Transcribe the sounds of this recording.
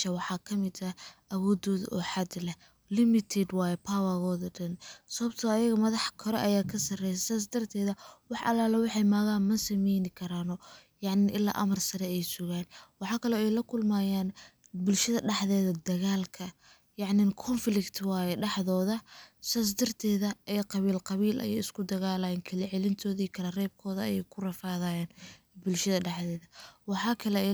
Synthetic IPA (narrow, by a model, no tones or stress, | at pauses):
ʃɐwɑħɑːkʰɐmɪd̪ɐʔɐwɔːd̪ɔːðʔɔħɑd̪lɛh | lɪmɪt̪ʰɛd̪wɑːjɛpʰawɐɣɔːðɐɖɐnsɐβɐbt̪ʰɐːjɐɣɐmɐðɑħkʰɐɾɔ̰ʔɐjaːkʰɐsɐrɛjɛsaːs̬d̪ɐrt̪ʰɛːðɐwɑħʔɐ̰laːlɐwɑħɑjmɐːɣaːnmɐsɐmɛjnɪkʰɐɾaːnɔ | jɑʕnɪʔɪlːa̰ːʔɐmɐrsɐɾɛɛjsʊɣaːnwɑħɑːkʰɐlɔːɛjlɐkʰʊlmaːjaːn | bʊlʃɐðɐɖɑħðɛːðɐd̪ɐɣaːlkʰɐ | jɑʕnɪkʰɔnflɪkt̪ʰwɑːjɛɖɑħðɔːðɐsas̬d̪ɐrt̪ʰɛːðɐʔɛjqɑβiːlqɑβiːlʔɐ̰jɛ̰jɪskʰʊd̪ɐɣaːlajɛnkʰɐlɛʕɛlɪnt̪ʰɔːðɐijkʰɐlɐrɛːb̚kʰɔːðɐɐ̰jɛjkʰʊrɐfaːðaːjaːn | bʊlʃɐðɐɖɑħðɛːðɐwɑħɑːkʰɐlɛ